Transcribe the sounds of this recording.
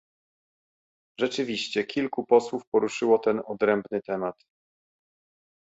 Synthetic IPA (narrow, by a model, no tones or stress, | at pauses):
ʐɛt͡ʂɘvʲiɕt͡ɕɛkʲʰilkupɔswufpɔɾuʂɘwɔt̪ɛnɔd̪ɾɛmbnɘt̪ɛmat̪